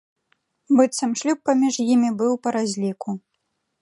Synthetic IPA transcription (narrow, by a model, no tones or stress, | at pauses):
bɨt̪sɐmʂlʲupːamʲiʐjimʲibɨwpɐɾazʲlʲiku